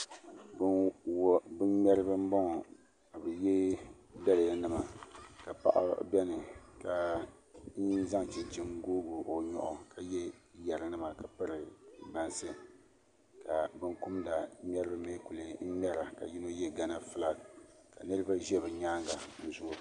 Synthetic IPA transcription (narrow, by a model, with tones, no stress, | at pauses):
b | bɨ˦nmʲɛ˦ɾɨ˦bɨ˦m̩˦bɔ˦ŋɔ˨ | ka˨bɛ˨jɛ˦ | da˦lɪ˨ja˨nɨ˦ma˨ka˨pa̰˦ʔa̰˦bɛ˦nɨ˨ka˨ | n̩˦za˦ŋ˨t͡ʃi˨nt͡ʃi˦mɡoː˦ɡo˨o˨ɲɔ̰˦˨ʔɔ˨ka˨jɛ˦ja˨ɾɨ˨nɨ˦ma˨ka˨pɨ˦ɾɨ˨ba˨nsɨ˦ | ka˨bɨ˦ŋku˦mda˨m˦ɛ˦ɾɨ˦bɨ˦me˦ku˨le˨n̩˦mɛ˦ɾa˨ka̰˨ji˦no˦jɛ˦ɡa˦na˦fɨ˦la˦ka˨nɨ˦ɾɨ˦ba˦ʒɛ˦bɛ˨ɲaː˦ŋɡa˨n̩˨zʊ˦˨ʔʊ˨